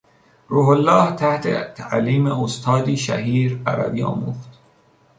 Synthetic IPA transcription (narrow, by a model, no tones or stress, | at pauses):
ɾuːholːɒːht̪ʰæht̪ʰḛt̪ʰæʔliːmeost̪ʰɒːd̪iːʃæ̰ɦiːɾæɾæ̰biːɒ̰ːmuːxt̪